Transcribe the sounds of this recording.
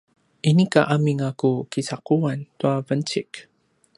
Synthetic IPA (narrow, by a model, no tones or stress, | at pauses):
ʔinikaʔamiŋakukisakuantuavənt͡ʃik